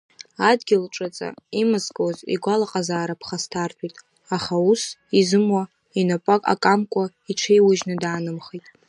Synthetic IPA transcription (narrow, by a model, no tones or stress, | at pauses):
adɡʲɪlʈ͡ʂʼɨt͡sʼa̰imɨzkʼozḭɡʷalaqʼazaːɾapʰχastʰartʰʷʼitʼ | aχausizɨmwa | inapʼakʼa̰kʼamkʷʼa | iʈ͡ʂʷʰejwʊʒnɨdaːnɨmχejtʼ